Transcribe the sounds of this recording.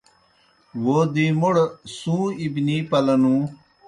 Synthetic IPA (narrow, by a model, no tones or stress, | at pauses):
woːd̪imoɽsũːibniːpɐlɐnũː